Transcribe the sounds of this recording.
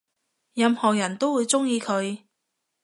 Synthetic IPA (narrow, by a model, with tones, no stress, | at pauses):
jɐ˧mhɔː˨˩jɐ˨˩nt̪o˥wuː˨˧jt͡sʊ˥ŋjiː˧kʰɵ˨˧ɥ